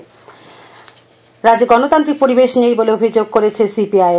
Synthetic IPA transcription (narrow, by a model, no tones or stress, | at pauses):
ɾad͡ʑeɡɔnot̪ant̪ɾik̚poɾibeʃnejboleobʱid͡ʑoɡ̚koɾet͡ɕʰesipiaj